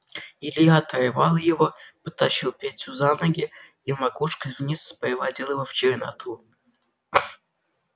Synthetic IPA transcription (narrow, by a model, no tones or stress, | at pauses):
ilʲiat̪ʰɐjvɑlˠjɪvopət̪aɕilˠpʲetʲuzanəɡʲɪ | imakuʂkəvʲnʲisspəɾɪvad̪ʲilˠjɪvoft͡ɕɪɾʲna̰t̪ʰu